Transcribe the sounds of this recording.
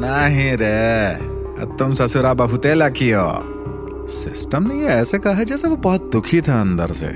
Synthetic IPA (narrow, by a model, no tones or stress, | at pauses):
naɦĩɾe | ɐ̰t̪ʊmsɐsʊɾabɐɦut̪elɐkʰio̰ː | sɪ̰sʈəmnejeɛːsekɐɦɛd͡ʒɛːseʋobɐɦʊt̪̚d̪ʊkʰit̪ʰɛɐ̃nd̪ə̰ɾsḛː